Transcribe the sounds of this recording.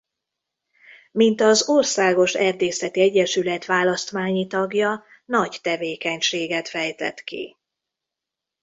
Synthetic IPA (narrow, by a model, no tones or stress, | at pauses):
mint̪ɒzorsaːɡo̞ʃɛrd̪eːsɛt̪iɛɟːɛʃylɛt̪ʋaːlɒst̪ʋaːɲit̪ɒɡjɒ | nɒct̪ɛveːkɛɲʃeːɡɛt̪fɛjt̪ɛ̰t̪kḭ